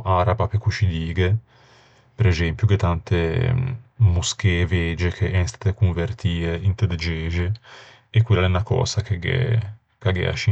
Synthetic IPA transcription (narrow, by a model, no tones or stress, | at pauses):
ʔaɾabapekut͡ʃid̪iːɡe | peɾezɛmpjuket̪ant̪e | muskeved͡ʒekʰeʔɛnst̪at̪ekuɱvert̪iːeint̪əd̪ed͡ʒed͡ʒe | ekːwilːaɛnakɔ̰ːsakeɡḛ | kaɡḛa̰ʃi